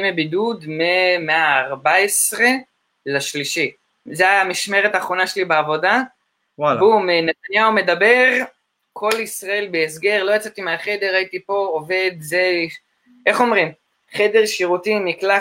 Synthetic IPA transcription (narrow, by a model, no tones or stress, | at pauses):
imebidud̪memeaːʁbaesʁe̞ | laʃliʃi | zeamiʃme̞ʁet̪aːχʁo̞naʃelibeavo̞da | vuminetanjaume̞dabe̞ʁ | kʰo̞lisʁae̞lbeːs̬ɡe̞ʁlo̞jat͡sat̪imeaχe̞d̪e̞ʁajit̪ipo̞ove̞d̪ze | ʔeχo̞mʁim | χed̪e̞ʁʃiʁutinikla